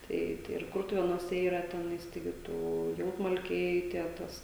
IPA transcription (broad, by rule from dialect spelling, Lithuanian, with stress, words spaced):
ˈtɐɪ tɐɪ ɪr ˈkʊrtʊʋʲeːnuɔsʲɛ ˈiːrɐ ˈtʲæːnɐɪs tɐɪˈɡʲɪ ˈtuː ˈjɛʊtmɐlʲkʲɛɪ tʲiɛ ˈtɐs